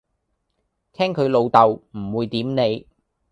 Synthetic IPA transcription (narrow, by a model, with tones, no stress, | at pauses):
t̪ʰɛː˥ŋkʰɵ˨˧lo˨˧wt̪ɐ˨wm̩˨˩wuː˨˧jt̪iː˨˥mne˨˧j